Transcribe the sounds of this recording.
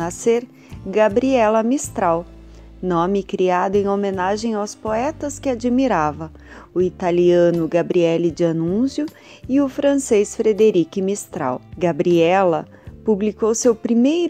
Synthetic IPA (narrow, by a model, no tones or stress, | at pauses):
aseɾ | ɡabɾiɛlɐmist̪ɾaw | nõmɪkɾiad̪ʊẽj̃omẽnaʒẽj̃awspoɛt̪ɐskɪad͡ʒimiɾavɐ | ʊit̪aliɐ̃nʊɡabɾiɛlɪd͡ʒɪanũsjʊ | ɪʊfɾɐ̃sejsfɾed̪eɾikɪmist̪ɾa̰wɡabɾiɛlɐ | publikowsewpɾimejɾ